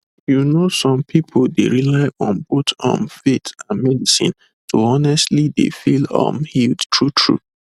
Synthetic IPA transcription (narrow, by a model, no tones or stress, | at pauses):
junosɔ̃mpʰipʰoldeɹilaɪʔɔ̃nbotɔ̰̃mfetãnmɛdisḭ̃n | tʰoɔnɛstlidḛfilɔ̰̃mhildtʰɹutʰɹṵ